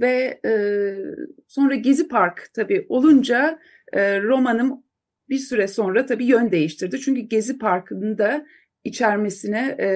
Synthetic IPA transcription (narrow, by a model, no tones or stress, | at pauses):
vɛɛː | so̞nɾaɟe̞zipʰaɾkt̪ʰabiːʔo̞lˠund͡ʒa | ɯɾo̞manɯm | biɾsyɾɛso̞nɾat̪ʰabiːjønd̪e̞jiʃt̪ʰiɾd̪it͡ʃʰyɲcyɟe̞zipʰaɾkʰɯnɯnd̪a | it͡ʃʰæɾme̞sinɛ